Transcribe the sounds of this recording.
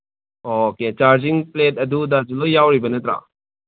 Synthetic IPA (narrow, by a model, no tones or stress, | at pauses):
oket͡ʃaɾd͡ʒiŋplet̚ɐdudɐd͡ʒulojːawɾibɐnɐt̪ɾa̰